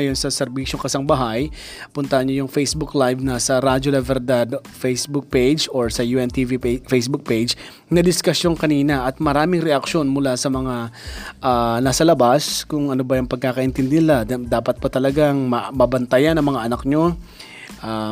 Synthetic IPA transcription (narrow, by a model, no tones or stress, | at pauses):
ɐjonsɐsɛɾbiːʃoŋkɐsɐŋbɐɦaj | pʊnt̪ɐɐɲojʊŋfejsbʊklajvnɐsɐɾad͡ʒolɛvɛɾd̪ad̪ | fejsbʊk̚pejd͡ʒoɹsɐjuːʔɛnt̪ivifejsbʊk̚pejd͡ʒ | nɐd̪ɪskɐsjo̞ŋkɐniːnɐʔɐt̪̚mɐɾaːmɪŋɾɛʔɐkʃo̞nmʊlasɐmɐŋaʔanasɐlɐbaskʊŋʔɐnobɐjʊŋpɐɡ̚kaːkɐʔɪnt̪ɪnd̪ɪnɪlad̪aːpɐt̪̚pɐt̪ɐlɐɡaŋmɐmɐbɐnt̪ɐjanɐŋmɐŋaʔɐnɐk̚ɲo̞ | ʔa